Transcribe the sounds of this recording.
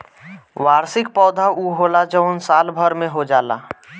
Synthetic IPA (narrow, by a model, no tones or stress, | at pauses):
ʋaːɾsɪk̚pɔːd̪ʱaʔuɦoːlad͡ʒəʊnsaːlbʱəɾmẽɦod͡ʒaːla̰ː